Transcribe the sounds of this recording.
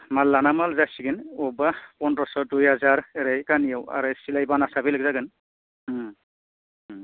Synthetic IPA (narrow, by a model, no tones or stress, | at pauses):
malːanamalzasiɡɯnɔbapɔndɔsɔdujɦazaɹeɾajkanijawa̰ɹɯsilajbanasabilaɡzaɡɯn